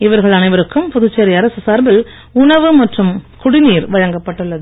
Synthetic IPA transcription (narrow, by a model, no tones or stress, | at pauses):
ɪʋɐɾɣɐɭɐnɐɪʋɐɾɯkːɯmpʊðʊt͡ʃːɐɾiɐɾɐsɯsɐɾbɪl | ʊɳɐʋɯmɐʈrɯmkʊɽɪniːɾʋɐɻɐŋɡɐpːɐʈːɯɭːɐðɯ